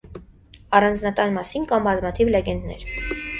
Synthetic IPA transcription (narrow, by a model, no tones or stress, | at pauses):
ɑrɑnd͡znɑt̪ɑnmɑsinkɑmbɑzmɑt̪ʰivlɛɡɛnd̪nɛ̰ɾ